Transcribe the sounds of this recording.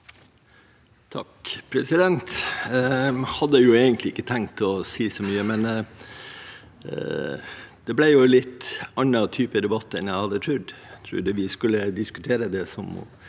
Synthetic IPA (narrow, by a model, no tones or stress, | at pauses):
t̪ʰɑ̰kpʰɾɛsɪd̪ɛnt̪ | hɑd̪ːəjʊeːɡənt̪lɪɪkːət̪ʰæŋt̪ɔsiːsɔmyːəmɛn | d̪̥ɛblæɪjʊlɪt̪ːɑnːɑt̪ʰyːpəd̪ɛbɑt̪ːɛnjæɪhɑd̪ːət̪ʰɾʉːɖt̪ʰɾʉ̰ːd̪əʋɪskʉlːəd̪ɪskʉ̥t̪ʰeːɾəd̪ɛsɔmɔ̰